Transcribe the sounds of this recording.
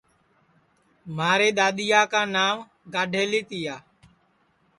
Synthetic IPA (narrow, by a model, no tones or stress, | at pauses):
maːɾeːɗ̪aːɗ̪ɪjaːkãːnaːm | ɡaːɖʱeːliːt̪ɪjaː